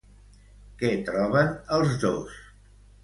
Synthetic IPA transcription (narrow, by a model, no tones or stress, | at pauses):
kɛt̪ɾɔβənəlˠzðo̰s